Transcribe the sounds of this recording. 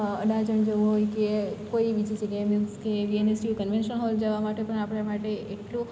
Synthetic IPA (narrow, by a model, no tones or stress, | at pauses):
əɖad͡ʒəɳd͡ʒəʋũɦojkekoiʋid͡ʒid͡ʒəɡemjuɡskeʋienesʈijukənʋenʃənɦɔld͡ʒaʋamaʈepəɳapɽ̃amaʈeʔeʈlũ